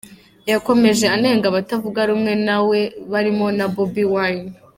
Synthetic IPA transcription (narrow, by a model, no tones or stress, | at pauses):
jako̞me̞ʒe̞ane̞ːŋɡaβatavuɡaɾumŋe̞nawe̞βaɾimo̞nabobiwan